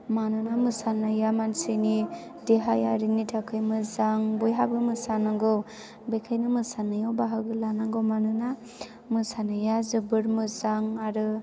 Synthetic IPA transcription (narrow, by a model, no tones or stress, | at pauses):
manɯnamɯsanajamansɯni | deɦajaɾinitʰakʰɯjmɯzaŋbɔjɦabɯmɯsanaɡɯw | bekʰajnɯmɯsanɯjɔwbaɦaɡɯlanaŋɡɯwmanɯna | mɯsanajazɯbɯɾmɯzaŋaɾɯ